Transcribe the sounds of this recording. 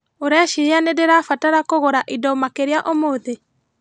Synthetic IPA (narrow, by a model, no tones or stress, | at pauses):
oɾɛʃianedeɾafataɾakoɣoɾaʔidɔmakeɾeaʔomoðe